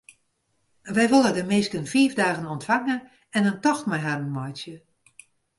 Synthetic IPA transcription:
ʋɛjʋolˠədəmɪːskənfiːvdaːɣənɔntfaŋə | ɛnəntɔxtmajɦarənmɔjsjə

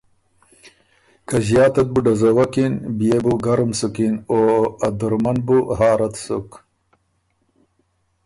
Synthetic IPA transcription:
kaʑjaːt̪ɐt̪̚buɖɐzowɐkinbijebuɡɐɾumsukinoɐd̪uɾmɐnbuhaːɾɐt̪suk

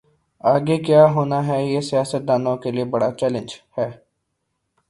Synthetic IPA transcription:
aːɡekjaːɦoːnaɦɛjesijaːsət̪̚d̪aːnõkeliebɐɽat͡ʃɛːlə̃nd͡ʒhɛː

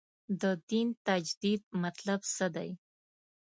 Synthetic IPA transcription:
d̪əd̪int̪ad͡ʒd̪id̪̚mat̪labsəd̪a̰j

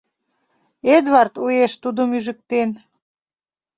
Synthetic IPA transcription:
ed̪βɑrt̪ueʃt̪ud̪omyʒə̆k̚t̪en

